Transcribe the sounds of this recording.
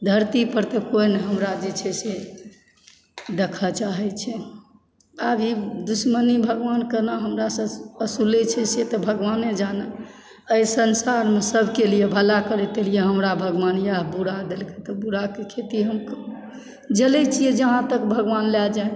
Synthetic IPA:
d̪ʱəɾt̪ipəɾt̪əkoineɦəmɾad͡ʒet͡ʃʰɛse | d̪ekʰət͡ʃaɦɛt͡ʃʰɛ | abid̪usmənibʱəɡʋankənəɦəmɾasə̃əsulɛt͡ʃʰɛset̪ɔbʱəɡʋaned͡ʒanə | əjsənsaɾmesəbʱkelijebʱəlakəɾet̪elijeɦəmɾabʱəɡʋanjaɦbuɾad̪elket̪ɔbuɾakekʰet̪iɦəmk | d͡ʒəlɛt͡ʃʰijed͡ʒəɦãt̪əkbʱəɡʋanlɛld͡ʒa

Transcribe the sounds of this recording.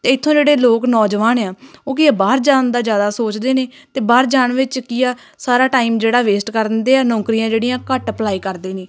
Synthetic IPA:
t̪eːɪt̪ʰːõːd͡ʒeːɽeːloːknɔːd͡ʒʋaːnaːoːkɪaːbaːɾd͡ʒaːnd̪aːd͡ʒjaːd̪aːsoːt͡ʃd̪eːneːt̪eːbaːɾd͡ʒaːnʋɪt͡ʃkɪjaː | saːɾaːʈaːiːmd͡ʒeːɽaːʋeːsʈkəɾnd̪eːɛːnɔ̃ːkɾijãːd͡ʒeːɽiːãːkəʈəplaːiːkəɾd̪eːneː

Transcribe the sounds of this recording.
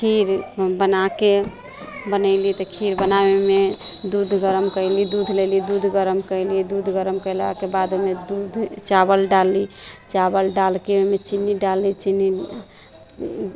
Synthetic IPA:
kʰiɾbənake | bənəɪlit̪ɔkʰiɾbənabemed̪ud̪ʱɡəɾəmkəɪlid̪ud̪ʱlelid̪ud̪ʱɡəɾəmkəlid̪ud̪ʱɡəɾəmkəɪlakebad̪omed̪ud̪ʱt͡ʃabəlɖalːit͡ʃabəlɖalkeemet͡ʃinːiɖalːit͡ʃini

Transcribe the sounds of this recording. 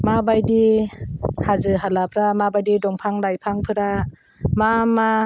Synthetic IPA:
mabajdi | hazɯɦalapʰɾamabajdidɔŋpʰaŋlajpʰaŋpʰɯɾa | mama

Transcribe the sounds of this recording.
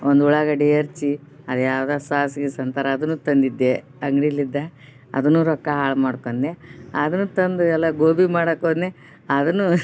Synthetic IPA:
ond̪uɭɐɡɐɖijɐɾt͡ʃi | ɐd̪jaːwd̪aːsaːsiɡesɐnt̪aɾɐːd̪ɐnːuːt̪ɐnd̪id̪ːe | ɐŋɡɽilid̪ːa | ɐ̰d̪ɐnːuːɾɔkːɐɦaːɭmaːɽkond̪eɐd̪ɐnːuːt̪ɐnd̪uɛlːɐɡoːbimaːɽɐkoːd̪ne | ɐd̪ɐnːu

